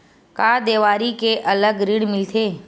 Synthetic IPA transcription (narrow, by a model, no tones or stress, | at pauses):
kaːd̪eːʋaːɾikeʔələɡɾiɽmɪlt̪ʰeː